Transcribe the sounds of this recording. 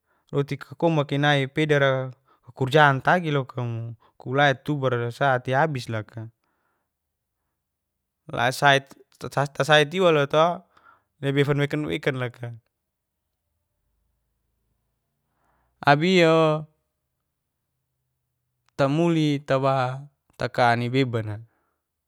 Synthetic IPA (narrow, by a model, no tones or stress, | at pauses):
rot̪ikʰakɔmakinaipɛdaɾa | kakurd͡ʒaːnt̪aɡilokʰamu | kulaɛt̪ːubarsat̪iabislaka | la̰sait̪ | at̪asait̪̬iwalot̪oa | labɛfanwɛkanwɛ̰kanlaka | abio | t̪amulit̪awa | t̪akanibebana